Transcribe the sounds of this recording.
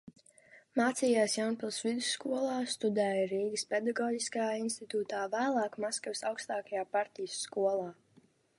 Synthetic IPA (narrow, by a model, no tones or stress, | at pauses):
maːt̪siːjaːsjawnpilˠsvid̪usːkuɔlˠɑːst̪ud̪æːjɾiːɡəspɛd̪aɡɔːɟiskajaːinst̪it̪uːt̪aːvæːlˠɑːkmaskavsawkst̪aːkajaːpaɾt̪ijəsːkuɔlˠaː